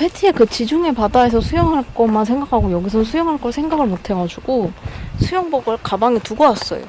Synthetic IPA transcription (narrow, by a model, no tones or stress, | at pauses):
pʰetʰiekɯt͡ɕid͡ʑuŋe̞padae̞sʰʌsʰujʌŋɦaɭk͈ʌmːansʰe̞ŋɡakʰaɡojʌɡisʰʌnsʰujʌŋɦaɭk͈ʌɭsʰe̞ŋɡaɡɯɭmotʰe̞ɡad͡ʑuɡosʰujʌŋbʌɡɯɭkabaŋituɡʌwas͈ʌ̰jo̰